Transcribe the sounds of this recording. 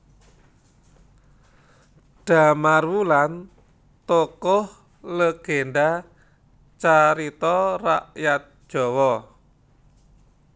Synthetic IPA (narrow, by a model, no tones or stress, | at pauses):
ɖ̥a̤marwulan | t̪okʊh | ləɡ̥enɖa | t͡ʃaɾit̪ɔraʔjat̪̚ʒ̥ɔ̤wɔ